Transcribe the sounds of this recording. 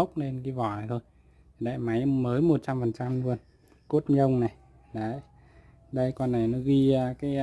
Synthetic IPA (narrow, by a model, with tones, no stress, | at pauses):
ə˦˥wk͡p̚ne˧nki˧˦vɔ˨˩˨t̪ʰo˧j | ɗa̰ː˧˨jma˨˦jməː˨˦jmo˨˩t̚t͡ɕa˧mfə˨˩nt͡ɕa˧mlu˧ən | ku˦˥ət̚ɲə˧wŋ͡mna˨˩j | ɗə˨˦j | ɗə˧jka˧nːa˨˩jnɔ˨˦ɣi˧əː˧kaː˨˦